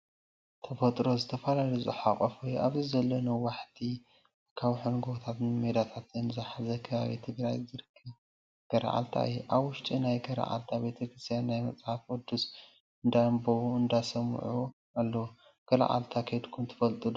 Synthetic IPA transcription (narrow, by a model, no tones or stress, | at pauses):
t̪ʰɐfɐt̪ʼɾo̞zɨt̪ʰɐfɐlalizɨħakʼɐfojʔaβzizɐlːɐnuwaħt̪ʰi | kʰaβħunɡot̪ʰat̪nmed̪at̪ʰat̪ɨnzaħazɐkʰɐβaβḭt̪ʰɨɡɾajzɨɾɨkʰːɐβ | ɡ̥ɐɾɐ̰ʔa̰lt̪ʰa̰ɨjɛʔaβwʊʃt̪ʼinajɡɐɾɐ̰ʔa̰lt̪ʰabe̞t̪ʰɐkɾɨst̪ʰjanːajmɐt͡sʼħafod̪us | ɨnd̪ambɐɨnd̪asɐmʕu | alːɐw | ɡ̥ɐla̰ʔa̰lt̪ʰakʰɐjd̪kʰumt̪ʰɨ̥fɐlt̪ʼɨd̪